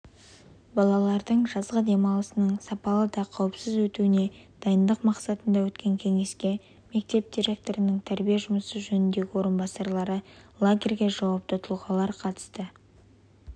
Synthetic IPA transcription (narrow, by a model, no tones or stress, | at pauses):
bɑlˠɑlˠɑɾd̪əɴʒɑzʁəd̪e̞mɑlˠəsənəɴsɑpɑlˠəd̪ɑqʰɑwəpsəzwɵt̪uɪne̞d̪̥ɑjənd̪əqmɑqsɑt̪ənd̪ɑwɵt̪kʲe̞ŋkʲʰe̞ŋe̞skʲe̞ | me̞k̚t̪e̞p̚d̪ʲiɾe̞k̚t̪o̞ɾənɪŋt̪ʰæɾbijeʒʊməsəʒɵnɪnd̪e̞ɡʲɪwo̞ɾənbɑsɑɾlˠɑɾəlˠaɡʲe̞rɡʲe̞ʒɑwɑp̚t̪ət̪ʰʊlˠʁɑlˠɑɾqʰɑt̪ə̥st̪ə